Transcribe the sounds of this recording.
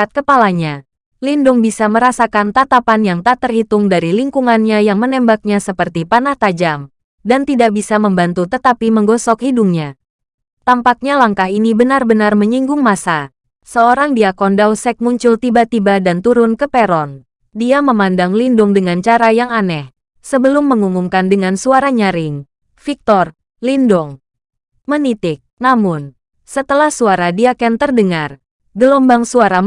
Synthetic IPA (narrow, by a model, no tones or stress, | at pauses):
at̪̚kəpalaɲa | lindʊŋbisaməɾasakant̪at̪apanjaŋt̪at̪ərhit̪ʊŋdaɾiliŋkuŋanɲajaŋmənɛmbak̚ɲasəpərt̪ipanaht̪ad͡ʒam | dant̪idak̚bisaməmbant̪ut̪ət̪apiməŋɡɔsɔkhiduŋɲa | t̪ampak̚ɲalaŋkahinibənarbənarməɲiŋɡʊŋmasa | səoɾaŋdiakɔndawsɛk̚muɲt͡ʃʊlt̪ibat̪ibadant̪uɾʊnkəpɛɾɔn | diaməmandaŋlindʊŋdəŋant͡ʃaɾajaŋanɛh | səbəlʊmːəŋumumkandəŋansuaɾaɲaɾɪŋ | fik̚t̪ɔr | lindʊŋ | mənit̪ɪk̚namʊn | sət̪əlahsuaɾadiakɛnt̪ərdəŋar | ɡəlɔmbaŋsuaɾa